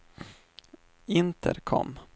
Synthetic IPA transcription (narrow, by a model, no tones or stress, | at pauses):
ɪnt̪ʰə̰ɾkʰɔ̰mː